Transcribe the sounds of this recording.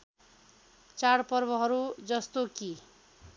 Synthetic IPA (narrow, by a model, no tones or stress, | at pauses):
t͡saɽpʌrbʌɦʌɾud͡zʌst̪oki